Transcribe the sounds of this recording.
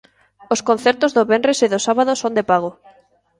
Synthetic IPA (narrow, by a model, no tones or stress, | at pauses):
oskõnθɛɾt̪ozðoβenreseðosaβaðosõnd̪epaɣ̞o